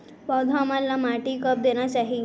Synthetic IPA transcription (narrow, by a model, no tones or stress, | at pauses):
pɔd̪ʱamalːamaʈiːkəp̚d̪eɳ̃jasaɦi